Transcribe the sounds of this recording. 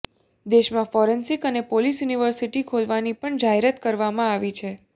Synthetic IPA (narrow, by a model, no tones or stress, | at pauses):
d̪eʃmãfɔɾensikənepolisjuniʋəɾsiʈikʰolʋanipəɳd͡ʒaɦeɾət̪kəɾʋamãaʋit͡ʃʰe